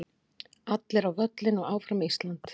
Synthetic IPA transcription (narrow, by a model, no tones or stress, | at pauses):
at̪lɪɾawvœt̪lɪnɔɣaːwfɾamist̪lant̪